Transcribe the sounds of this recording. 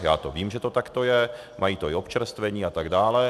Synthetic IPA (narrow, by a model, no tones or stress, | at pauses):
jaːt̪oviːmʒɛt̪o̞t̪akt̪o̞jɛ | mʔajiːt̪oɪopt͡ʃɛɾst̪vɛɲiːat̪aɡdaːlɛ